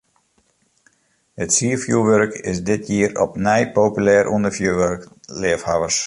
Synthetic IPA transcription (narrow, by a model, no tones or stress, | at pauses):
hətsiəfjuʋørkɪsdɪt̚ʰjiəɾɔpnɛjpowpylɛːɾʔundəɹfjuʋørk | lɪəfhaʋərs